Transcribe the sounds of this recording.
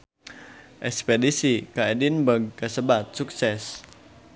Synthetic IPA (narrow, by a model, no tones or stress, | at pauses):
ʔɛspɛdisikaedinbəɡ̚ːəsəbat̪̚suk̚sɛs